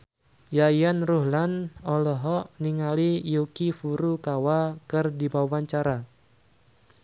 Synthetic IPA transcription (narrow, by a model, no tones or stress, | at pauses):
jajanruɦlanɔlɔɦɔʔniŋalijukifuɾukawakɨrdibawaɲt͡ʃaɾa